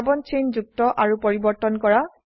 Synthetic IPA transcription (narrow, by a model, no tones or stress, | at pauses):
bɔnt͡ʃend͡ʒuk̚tɔʔaɹupɔɹibɔɹtɔnkɔɹa